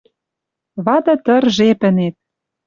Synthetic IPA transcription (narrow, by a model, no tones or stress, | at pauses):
βɑd̪ɤ̆t̪ɤ̆rʒepɘ̆net̪̚